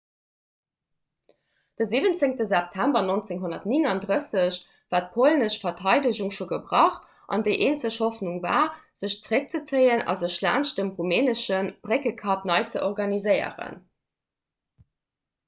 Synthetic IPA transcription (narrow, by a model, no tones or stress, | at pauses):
d̥əziːvənt͡seŋtəzɛp̚tʰæmbɐnont͡seŋɦonɐtniŋɑndʁəsəɕ | vaːt̚pʰolnəɕfɐtʰɑɪdəʑuŋʃoːɡəbʀɑχt | ʔɑ̰ndəɪʔeːnsəɕhofnuŋva̰ːz̥əɕt͡səʁək̚t͡sət͡səɪənɑ̰zəɕla̰ːnʃdəmʁumeːnəʃənb̥ʁekəkʰɑpnɑɪt͡səʔoʁɡɑnizəɪə̰ʁə̰n